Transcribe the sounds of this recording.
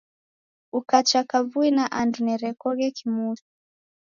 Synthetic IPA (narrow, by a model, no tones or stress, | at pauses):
ukat͡ʃakavuinaʔandunɛɾɛkɔɣɛkimuti̥